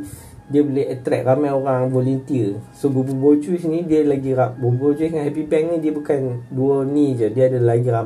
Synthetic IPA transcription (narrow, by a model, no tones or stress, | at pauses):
diəboleɦət̪ɾɛ̰k̚ramajoɾaŋvolunt̪iəsobububot͡ʃusnĩdiəlaɡirabububod͡ʒusŋaɦɛpipɛk̚nĩdiəbukanduənid͡ʒədiəadəlaɡiram